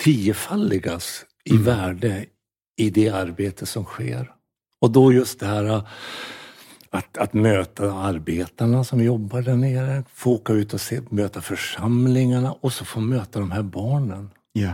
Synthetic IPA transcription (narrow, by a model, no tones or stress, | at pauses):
t̪ʰiəfalːɪɡas | ɪvæːɖə | ɪd̪ɛaɾbeːt̪ʰəsɔmɧḛːɾ | ɔd̪ɔjɵst̪̚d̪ɛhæːɾa | at̪at̪møːt̪aaɾbeːt̪aɳasɔmjɔbːaɖæɳeːɾəfooːkaʉ̟ːt̪ɔseːmøːt̪afœʂamlɪŋaɳaʔɔsɔfoːmøːt̪ad̪ɔmɦæːɾbɑːɳən